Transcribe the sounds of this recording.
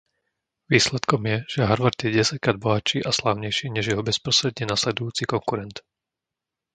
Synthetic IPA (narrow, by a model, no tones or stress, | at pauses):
ʋiːslɛt̪kɔmjɛʒ̥ɛɦaɾʋaɾd̪jɛɟɛsackɾaːd̪̚bɔɦat͡ʃiːʔaslaʊɲɛjʃiːɲɛʒjɛɦɔbɛspɾɔst̪ɾɛd̪ɲɛnaslɛd̪ujuːt͡sikɔŋkuɾɛnt̪